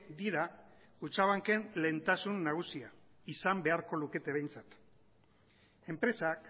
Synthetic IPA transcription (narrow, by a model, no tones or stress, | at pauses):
d̪iɾa | ut͡ʃaβ̞aŋke̞nle̞nt̪asunːaɣ̞usia | isambe̞aɾko̞luke̞t̪e̞β̞e̞jnt͡sat̪ | e̞mpɾe̞sak